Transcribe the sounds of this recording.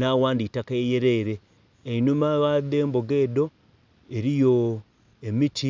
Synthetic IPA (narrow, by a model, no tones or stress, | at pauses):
nawaːnditakejeɾeɾeː | inumaɣaðeːmboɡe̞ːdo̞ | eɾijo | emiti